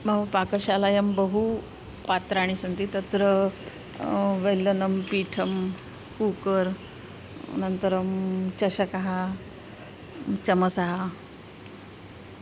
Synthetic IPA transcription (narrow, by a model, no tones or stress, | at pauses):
məʋəpakəɕalajəmbəɦu | pat̪ɾaɽ̃isənt̪iːt̪ət̪ɾə | ʋelːənəmpiːʈʰəm | kukəɾ | nənt̪əɾəmt͡ɕəɕəkaɦa | t͡ɕəməsaɦa